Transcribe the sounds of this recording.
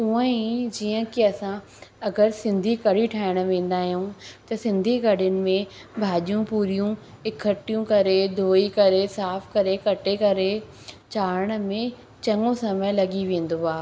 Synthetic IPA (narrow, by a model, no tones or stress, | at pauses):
uə̃id͡ʑiːə̃kiɐsã | ɐɡəɾsɪ̃nd̪ʱikɐɽiʈʰaːɪɽ̃̆ʋẽːn̆d̪aːɦijũt̪ɐsɪ̃nd̪ʱikɐɽʊnɪ̆mẽbʱaːʄijũpuːɾijũ | ɪkʰəʈijũkɐɾed̪ʱoːikɐɾesaːfkɐɾekɐʈekɐɾe | t͡ɕaːɾəɽ̃ə̆mẽ | t͡ɕɐ̃ŋɡõsɐməjlɐɠiʋẽːn̆d̪oaː